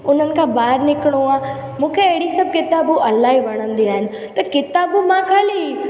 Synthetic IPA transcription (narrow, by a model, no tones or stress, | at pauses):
ʊn̤ənɪ̆kʰãːbaːɦɪɾnɪkɪɽ̃uaː | mũːkʰeɐɦɪɽisɐb̚ʱkɪt̪aːbuʔɐlaːɦiʋɐɽ̃ə̃nd̪iaːɦɪnɪ̆ | t̪ɐkɪt̪aːbumãːkʰaːliː